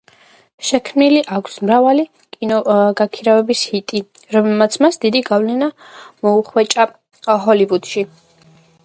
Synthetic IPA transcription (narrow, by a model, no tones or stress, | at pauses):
ʃɛkʰmniliʔakʰsmɾavali | kʼinɔɡakʰiɾavɛbishit̪ʼi | ɾɔmɛmat̪sʰmasd̪id̪iɡavlɛna | mɔuχwɛt͡ʃʼa | ɦɔlivud̪̥ʃi